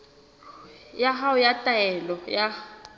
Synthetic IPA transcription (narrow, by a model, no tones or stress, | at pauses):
jaɦaʊjatʼaɛlɔja